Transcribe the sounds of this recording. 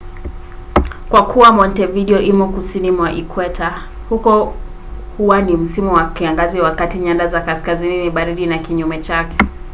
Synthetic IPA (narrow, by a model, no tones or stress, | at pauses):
kwakuwamɔntɛviɗiɔʔimukusinimwaʔikwɛtʰa | hukɔ | huwanim̩simuwakiaŋɡaziwakatiɲandazakaskazininiɓaɾiɗinakiɲumɛt͡ʃakɛ̥